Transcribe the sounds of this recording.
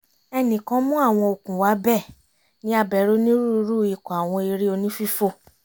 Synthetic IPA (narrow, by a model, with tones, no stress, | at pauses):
ɛ˧nĩ˨kã˧˦mũ˦a˦˨w̃ɔ̃˧o˧kũ˨wa˨˦bɛ˦˨ | nĩ˨˦a˧bɛ˨˦ɾo˨˦nĩ˦ɾu˦˧˦ɾu˦˨i˨˧˨kɔ˨a˨w̃ɔ̃˧i˧ɾi˦o˧nĩ˦fi˦fo˦